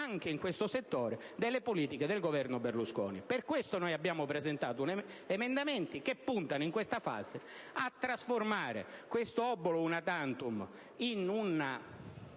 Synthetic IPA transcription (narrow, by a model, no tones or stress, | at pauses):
aŋk̟eiŋkwest̪oset̪ːoːɾe | d̪elːepoliːt̪iked̪elɡovɛrnoberluskɔ̰ːniperkwest̪onojabːjaːmʊpɾezent̪aːt̪un | emend̪ament̪ikepːunt̪anoiŋkwest̪afa̰ːze | at̪ːɾasformaːɾḛkwest̪oɔbːolounat̪ant̪um | inuna